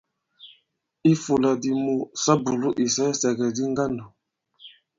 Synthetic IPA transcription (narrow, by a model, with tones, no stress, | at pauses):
i˦fu˨la˨di˨mu˨sa˦bu˨lu˦ʔi˨sa˦sɛ˨ɡɛ˨di˦ŋ˦ɡa˦ndu˨